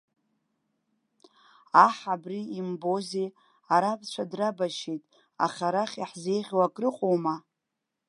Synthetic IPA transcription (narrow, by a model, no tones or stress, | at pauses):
aħabriimbo̞ze | aɾapʰʼt͡ʃʷʰadrabaʃejtʼ | a̰χʲaɾaχʲiħze̞jʁʲwakʼrɨqʼowma